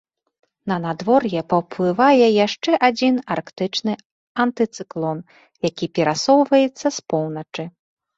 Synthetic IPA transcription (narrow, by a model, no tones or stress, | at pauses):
nɐnad̪vɔrjɛpɐwplˠɨvajɛjaʂt͡ʂɛʔad͡zʲinarkt̪ɨt͡ʂnɨ | ɐnt̪ɨt̪sɨklˠɔn | jakʲipʲɛɾasɔwvɐjɛt̪sːɐspɔwnɐt͡ʂɨ